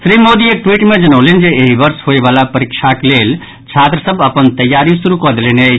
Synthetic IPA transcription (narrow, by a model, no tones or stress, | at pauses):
sɾimod̪iek̚ʈwiʈmed͡ʒənəʊlend͡ʒeːɦibəɾsɦoebalapəɾikt͡ʃʰaklel | t͡ʃʰat̪ɾəsəbəpənt̪əjːaɾisuɾukəd̪eleneə